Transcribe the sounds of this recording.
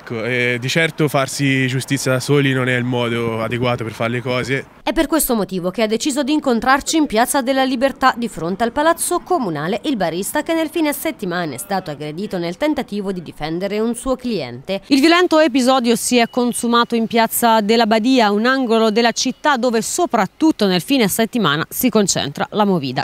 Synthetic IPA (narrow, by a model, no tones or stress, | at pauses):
ɛkːoɛd̪it͡ʃɛrt̪ofarsid͡ʒust̪it̪sːjad̪asoːlinonɛilmɔːd̪oad̪eɡwaːt̪operfaɾlekɔːze | ɛpːerkwest̪omot̪iːvok̟ead̪ːet͡ʃiːzod̪iːŋkont̪ɾart͡ʃiːmpjat̪sːad̪elːalibert̪ad̪ifɾont̪ealpalat̪sːokomunaːleʔilbaɾist̪ak̟enːelfiːneset̪ːimaːneɛ̰st̪aːt̪oaɡɾed̪iːt̪onelt̪ent̪at̪iːvod̪id̪ifɛnd̪eɾeunsuːokliɛ̰nt̪eilvjolɛnt̪oep̬izɔːd̪josiɛkːonsumaːt̪oimpjat̪sːad̪elːabad̪iːaunaŋɡolod̪elːat͡ʃit̪ːad̪ːoːvesopɾat̪ːut̪ːonelfiːneaset̪ːimaːna̰sikont͡ʃɛ̰nt̪ɾa̰lamoviːd̪a̰